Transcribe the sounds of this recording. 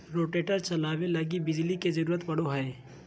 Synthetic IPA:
ɾoːʈeːʈəɾt͡ʃɐlaːwelɐɡibɪd͡ʒliked͡ʒɐɾuːɾət̪pɐɽ̤oɦəː

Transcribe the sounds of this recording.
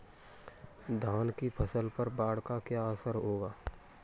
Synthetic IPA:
d̪ʱaːnkipʰɐsəlpɐɾbaːɽkakjaːəsəɾɦoːɡaː

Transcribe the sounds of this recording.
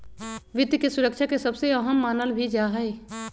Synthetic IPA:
ʋɪd̪kesʊɾəkʃakesɐbseəɦəmːaːnəlbʱid͡ʒaɦɛe

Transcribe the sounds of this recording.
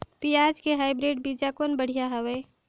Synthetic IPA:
piaːd͡ʒkeɦaːɪbɾeːɖbid͡ʒakonbəɽ̤ijaɦəwɛː

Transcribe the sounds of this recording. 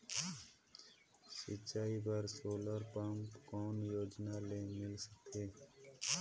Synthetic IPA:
sɪ̰tːt͡ʃaːibəɾsoːləɾpəmpkɔːnjoːd͡ʒnalemɪlsəkeː

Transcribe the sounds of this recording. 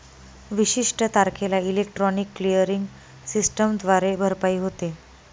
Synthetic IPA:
ʋiɕiʂʈət̪aɾkʰelailek̚ʈɾɔnikːlijəɾiŋɡ | sisʈəmd̪ʱʋaɾebʱəɾpaiːɦot̪e

